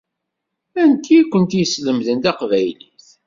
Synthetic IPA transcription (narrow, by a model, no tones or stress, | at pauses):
ænt̪ikʷːənt̪jəsləmðənt̪ɑqvæjliθ